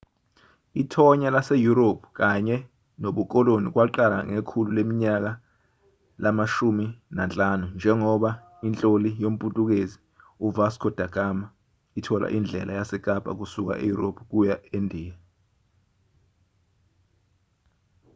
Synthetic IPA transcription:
itʰɔɲalasejuɾopʰu̥k̬aɲɛ | noɓuk̬ʼɔlonik̬waǃala̰ŋekʰululemiɲak̬a | lamaʃuminant͡ɬʼanund͡ʒʱɛŋɔɓa | int͡ɬʼolijom̩pʼutʼuk̬ezi | uvaskʰɔd̥ʱaɡ̥ama | itʰɔlʔa̰ʔind͡ɮʱɛ̰lajasɛk̬ʼapʼa̰k̬usuk̬a̰ʔḛjuropʰuk̬ujaendʱiːja

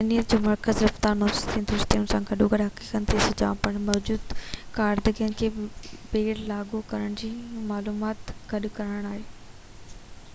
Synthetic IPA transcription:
ɐnijətd͡ʑoːmɐɾkəzɾɐft̪aːɾnɔːsʊzt̪ʰĩːnd̪ɪɾɪst̪iʊnsãːɡʱɐɗoɡɐɗɦɐki̥ːkənɪt̪ʰisʊd͡ʑã̰ːpɐɽ̃mɔːd͡ʑuːd̪kaːɾd̪əɡiənkʰeːbeːɽlaːɡokɐɾəɽ̃d͡ʑiːmaːluːmaːt̪ɡ̥ɐɗkɐɾəɽɽ̃aːɦeː

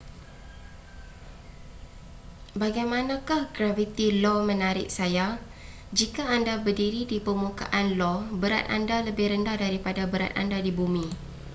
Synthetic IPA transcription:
baɡajmãnãkahɡɾavit̪ilɔmə̃naɾɪ̰ʔ̚saja | d͡ʒikaːndabərdiɾidipəmuka̰ʔanlɔbəɾa̰t̪̚a̰ndaləbɪhɾəndahdaɾipadabəɾa̰t̪̚a̰ndadibumĩ

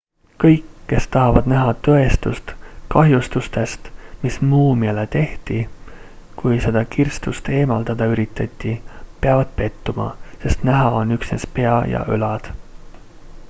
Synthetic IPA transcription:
kɤ̞jkːe̞st̪ɑɦɑvɑd̪̥næɦɑt̪ø̞e̞st̪ust̪kɑɦjust̪ust̪e̞st̪mismuːmiɑlet̪e̞ht̪i | kujse̞d̪̥ɑkirst̪ust̪e̞ːmɑld̪̥ɑd̪̥ɑyɾit̪ːˑɑt̪ʲːˑipe̞ɑvɑd̪̥pe̞t̪ːumɑ̰se̞st̪næɦɑo̞nːyksne̞spe̞ɑjɑ̰ʔø̰lɑd̪̥

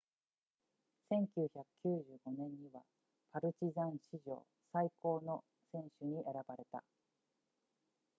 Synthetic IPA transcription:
sẽ̞ŋkʲɨːçakɯ̟̥kʲɨːʑɨːɡo̞nẽ̞ɲ̟ːiβa̰ | paɾɯ̟t͡ɕizãɰ̃ɕiʑo̞̰ː | saiko̞ːno̞ | sẽ̞ɰ̃ɕɨɲ̟iʔeɾabaɾe̞t̪a̰

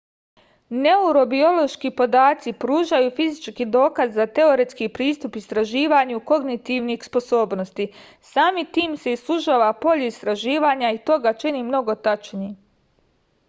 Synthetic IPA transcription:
ne̞uɾo̞bio̞lˠo̞ʃkipo̞d̪aːt̪sipɾuːʒajufizit͡ʃkid̪o̞ːkazːat̪e̞o̞ɾet̪skipɾiːst̪upist̪ɾaʒiːʋaɲuko̞ɡnit̪iʋnixspo̞so̞ːbno̞st̪i | saːmit̪iːmse̞islˠuʒaʋapo̞ʎuist̪ɾaʒiːʋaɲait̪o̞ɡat͡ʃinimno̞ɡo̞t̪at͡ʃni

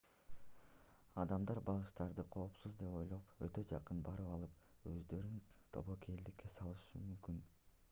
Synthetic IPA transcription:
ɑd̪ɑmd̪ɑɾbɑʁɯʃt̪ɑɾd̪ɯqʰo̞ːpsuzd̪e̞po̞jlˠopøt̪ø̞d͡ʒɑqɯnbɑɾɯpɑlˠɯp̚ | ø̰zd̪ø̞ɾynt̪ʰo̞̰βo̞kʰe̞d̪ikːe̞sɑlˠɯʃɯmymkyn

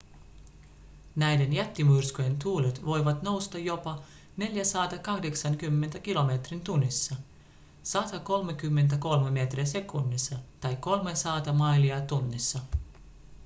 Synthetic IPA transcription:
næjde̞njæt̪ːimurskoje̞nt̪uːlet̪ʋo̞jʋɑt̪no̞wst̪ɑjo̞pɑ | ne̞ljæsɑːt̪ɑkɑhde̞ksɑŋkymːe̞nt̪æk̟ilo̞met̪rint̪unːisːɑ | sɑt̪ɑko̞lmekymːe̞nt̪̬æko̞lmeme̞ːt̪riæse̞kunːisːɑt̪ɑjkːo̞lmesɑːt̪ɑmɑjliɑt̪unːisːɑ

